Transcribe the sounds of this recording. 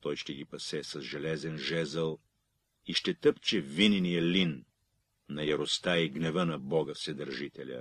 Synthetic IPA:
t̪ɔjʃt̪ɛɡʲipɐsɛsɐzʒɛlɛzɛnʒɛzəlˠ | iʃt̪ɛt̪əpt͡ʃɛvininijəlinː | ɐjɐɾost̪aiɡnɛvənɐbɔɡəfsɛd̪əɾʒit̪ɛlʲə̰

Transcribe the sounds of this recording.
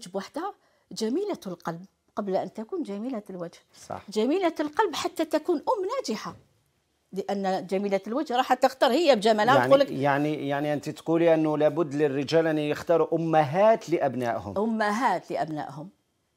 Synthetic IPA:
ʒəbwaħd̪æ | d͡ʒæmilalqɑlb | qɑblʔənt̪ækund͡ʒæmilælwæd͡ʒhsˤɑ̰ħd͡ʒæmilalqɑlbħat̪ːæt̪ækunʔʊmːnæd͡ʒɪħa | ləʔænːd͡ʒæmilælwæd͡ʒhɾˤɑħat̪ːəxt̪ɑɾˤhəjːæbd͡ʒæmælæulːəkjaʕnijaʕniʔənt̪it̪quliʔənːʊlæbʊd̪ːlərːəʒælʔænːjəxt̪ɑɾˤuʔʊmːaɦæt̪ləʔæbnæ̰ʔhʊ̰mʔʊmːaɦæt̪ləʔæbnæ̰ʔhʊm

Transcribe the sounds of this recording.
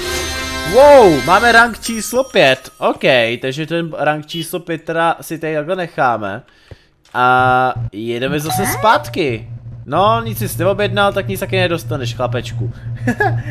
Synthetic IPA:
wowmaːmɛɾaŋkt͡ʃiːslopjɛt̪ʔokɛjt̪aɡʒɛt̪ɛnɾaŋk̚t͡ʃiːslopjɛt̪ɾasɪt̪ajt̪aklɛnɛxaːmɛ̰ | ʔa | jɛdɛmɛzasɛspaːt̪kɪno̞ɲɪt͡sbɪsnɛvo̞bjɛdnalt̪akɲɪt͡st̪akɪnɛdo̞st̪anɛʃxlapɛt͡ʃku

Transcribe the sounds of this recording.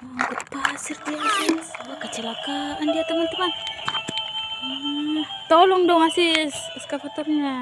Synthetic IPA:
ɡut̪̚pasird̪iaŋasibakət͡ʃəlakaʔandiat̪əmant̪əman | ə | t̪ɔlɔŋdɔŋasisskafat̪ɔrɲa

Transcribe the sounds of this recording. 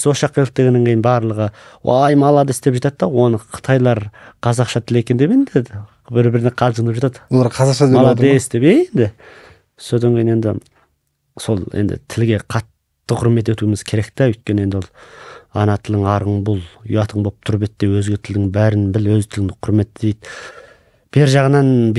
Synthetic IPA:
soʃɑqːelɪk̚t̪e̞ɡʲeneŋkʲʰejɪnbɑɾlˠəʁəwɑ̰jmɑlˠɑd̪əɪst̪e̞pʒɑt̪ɑt̪ːɑwo̞nəqʰə̥t̪ʰɑjlˠɑɾqʰɑzɑqʃɑt̪ʰɪle̞kʲend̪e̞pend̪ɪ | bɪɾbɪɾɪneqʰɑlˠʒəɴnd̪epʒɑt̪ʰɑd̪wolˠɑɾqʰɑzɑqʃɑd̪emɑlˠɑd̪ɪst̪e̞pejend̪ɪ | sod̪ɑŋkʲʰejine̞nd̪ɪ̰ | so̞lˠḛnd̪ɪ̰t̪ʰɪlɡʲe̞qʰɑt̪ː | əqʰʊɾme̞t̪̬e̞t̪umɪz̥kʲʰe̞ɾe̞kt̪æʏjt̪̚kʲene̞nd̪wo̞lˠɑ̰nɑt̪ʰɪlɪŋɑɾəɴbʊlˠʏ̰jɑt̪ʰəɴbop̚t̪ʰʊɾbet̪ːe̞wɵzɡʲe̞t̪ʰɪld̪ɪŋbæɾɪnbɪlwɵzt̪ʰɪlɪŋd̪ɪqʰʊɾme̞t̪ːd̪ejd̪ | b̥eɾʒɑʁənɑnb

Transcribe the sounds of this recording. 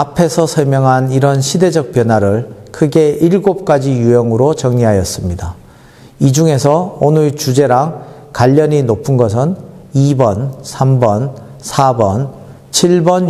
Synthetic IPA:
apʰe̞sʰʌsʰʌɭmjʌŋɦaniɾʌnɕʰide̞d͡ʑʌk̚p͈jʌnwaɾɯɭkʰɯɡe̞ʔiɭɡop̚k͈ad͡ʑijujʌŋɯɾot͡ɕʌŋɲiɦajʌs͈ɯmɲida | id͡ʑuŋe̞sʰʌonɯɭt͡ɕud͡ʑe̞ɾaŋ | kaʎːʌɲinopʰɯnɡʌs̬ʰɯnibʌnsʰambʌn | sʰabʌn | t͡ɕʰiɭbʌn

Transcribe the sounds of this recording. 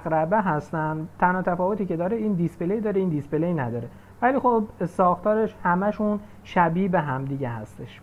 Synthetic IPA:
ɣɾæbeɦæst̪ænd̪t̪ʰænhɒːt̪ʰæfɒːvot̪iːce̞d̪ɒːɾeiːnd̪ispelejd̪ɒːɾeiːnd̪ispeleinæd̪ɒːɾe̞ | væliːxobsɒːxt̪ʰɒːɾe̞ʃhæmæʃun | ʃæbiːbeɦæmd̪iɟehæ̰st̪e̞ʃ

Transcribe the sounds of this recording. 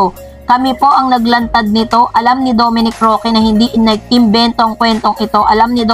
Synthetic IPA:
kɐmɛpo̞ʔɐŋnɐɡlɐnt̪ɐd̪̚nɪt̪o̞ʔɐlamnɪd̪o̞ːmɪnɪkɾo̞ːkɛnɐhɪnd̪iʔɪnɐɡ̚t̪ɪmbɛnt̪oʔɐŋkwɛnt̪o̞ŋʔɪt̪o̞ʔɐlamnɪd̪o

